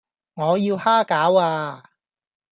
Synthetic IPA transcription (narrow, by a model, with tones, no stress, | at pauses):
ŋɔː˨˧jiː˧whaː˥kaː˨˥waː˧